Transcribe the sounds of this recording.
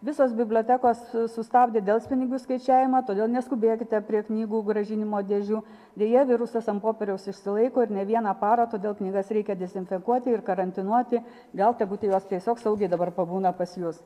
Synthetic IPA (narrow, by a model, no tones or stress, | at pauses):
ʋʲɪsoːsbʲɪbʲlʲoːt̪ʲækoːssʊst̪ɑːbʲd̪ʲeːd̪ʲeːlˠʲsʲpʲɪnʲɪɡʲuːskɐɪt͡ʃʲæːʋʲɪmɐt̪oːd̪ʲeːlˠnʲɛskʊbʲeːkʲɪt̪ʲɛpʲɾʲiɛknʲiːɡuːɡɾɐʒʲɪnʲɪmoːd̪ʲɛʒʲuː | d̪ʲeːjɛʋʲɪɾʊsɐsɐmpoːpʲɛɾʲɛʊsɪʃʲsʲɪlˠɐɪkoːɪɾnʲɛʋʲiɛnɑːpɑːɾoːt̪oːd̪ʲeːlˠknʲiːɡɐsɾʲɛɪkʲɛd̪ʲɛzʲɪnʲfʲɛkuɔt̪ʲɪɪrkɐɾɐnʲt̪ʲɪnuɔt̪ʲɪ | ɡɐlˠt̪ʲɐbuːt̪ʲɪjoːst̪ʲiɛsʲoːksɐʊɡʲɛɪd̪ɐbɐrpɐbuːnɐpɐsjuːs